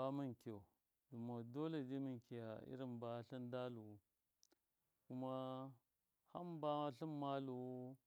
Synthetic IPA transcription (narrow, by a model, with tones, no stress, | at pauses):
a˦mi˨ŋki˨o˨ | du˨ma˨do˦le˨di˦mi˨ŋki˨ja˨ḭ˦ɾi˦mba˨˦ɬi˦nda˦lu˨wu˦ | ku˦ma˦ | ha˦mba˦ɬi˦mma˦lu˨u˦